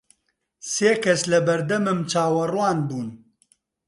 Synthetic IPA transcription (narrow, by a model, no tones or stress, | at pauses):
seːkɐslɐbɐɾd̪ɐmɨmt͡ʃaːwɐrwaːnbuːn